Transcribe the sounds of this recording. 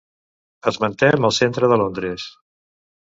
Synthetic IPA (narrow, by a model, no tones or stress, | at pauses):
əzmənt̪ɛməlˠsent̪ɾəðəlond̪ɾəs